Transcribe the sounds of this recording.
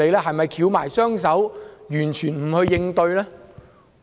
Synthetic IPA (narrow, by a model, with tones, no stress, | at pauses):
e˨˧jlɛː˥ɦɐ˨jmɐ˨jkʰiː˨˧wma̰ː˨˩jsœː˥ŋs̬ɐ˨˥wjyː˨˩nt͡ʃʰyː˨˩nm̩˨˩hɵ˧ɥjɪ˧ŋt̪ɵ˧ɥlɛː˥